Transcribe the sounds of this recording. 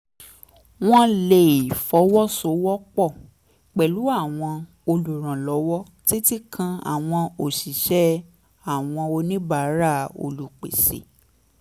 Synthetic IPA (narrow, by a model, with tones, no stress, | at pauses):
w̃ɔ̃˦le˧˨i˨fɔ˨˦wɔ˦so˨˦wɔ˦k͡pɔ˦˨ | k͡pɛ˨lu˨˦a˦˨w̃ɔ̃˧ | o˧lu˨ɾ̃ã˨lɔ˨˦wɔ˦ | ti˦ti˦kʰã˧a̰˨w̃ɔ̃˧o˨ʃi˨ʃɛ˦ | a˦˨w̃ɔ̃˧o˧nĩ˦ba˦˨˦ɾa˦˨o̰˧lu˨k͡pḛ˨sḛ˨˦